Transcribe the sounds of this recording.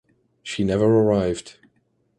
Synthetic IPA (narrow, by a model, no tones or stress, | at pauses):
ʃinɛvə˞ə˞aɪvd̥